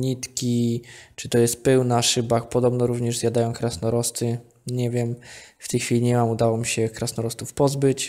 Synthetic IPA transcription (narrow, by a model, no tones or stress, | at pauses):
ɲit̪kʲit͡ʂɘt̪ɔjɛst̪̚pɛwnaʂɘbakpɔd̪ɔbnɔɾuvɲɛʐzjad̪ajɔ̃w̃kɾasnɔɾɔst̪ɘ | ɲɛvʲjɛmft̪ɛjxʲfʲilʲiɲɛmamud̪awɔmʲiɕɛkɾasnɔɾɔst̪ufpɔzbɘt͡ɕ